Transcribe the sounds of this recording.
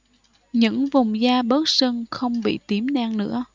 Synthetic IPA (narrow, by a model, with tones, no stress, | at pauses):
ɲɨ̰˧˥ŋvʊ˨˩wŋ͡mzaː˧ɓə˦˥t̚sə˧ŋxə˧wŋ͡mɓḭ˧˨t̪i˨˦mnaː˧ŋnɨ̰˧˥ə